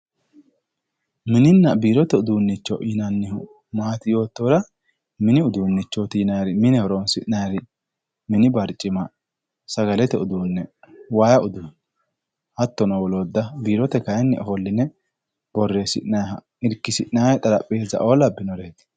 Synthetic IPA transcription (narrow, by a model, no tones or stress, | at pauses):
mɪnɪnːɐbiːɾɔt̪ɛʊd̪uːnːɪt͡ʃːɔʔinɐnːɪhʊ | maːt̪ɪjo̞ːt̪ːoːɾɐ | mɪnɪʊd̪uːnːɪt͡ʃːɔt̪iːnɐjɾɪmɪnɛhɔɾɔnsɪʔnaɾɪ | mɪnɪbɐɾt͡ʃʼːɪmɐ | sɐɡɐlɛt̪ɛʊd̪uːnːɛwaːjɐʊd̪ʊ | hɐt̪ːɔnɔwɔloːd̪ːɐbiːɾɔt̪ɛkɐjɛnːɛ̰ʔɔhɔlːɪnɛ | b̥ɔrːesɪ̰ʔnɐjɦɐ̰ | ɪɾkːɪsɪʔnajɛt̪ʼɐlɐpʼːeːzɐ̰ʔo̞ːlɐbːɪnɔɾeːt̪